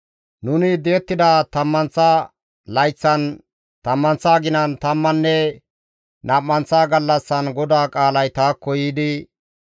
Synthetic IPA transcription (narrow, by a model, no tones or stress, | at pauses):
nʊnɪd̪eːt̪ːɪd̪ɐt̪ɐmːɐnt͡sːa | lɐjt͡sːɐn | t̪ɐmːɐnt͡sːaːɡɪnɐnt̪ɐmːɐnːɛ | nʔaːmːɐnt͡sːaːɡɐlːɐsːɐnɡɔd̪aːkʼaːlɐjt̪aːkːɔjiːd̪ɪ